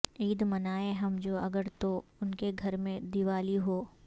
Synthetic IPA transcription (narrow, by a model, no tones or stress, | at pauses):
iːd̪mɐnaːeɦɐmd͡ʒoːɐɡəɾt̪oʊnkeɡʱɐɾmẽd̪iʋaːliɦoː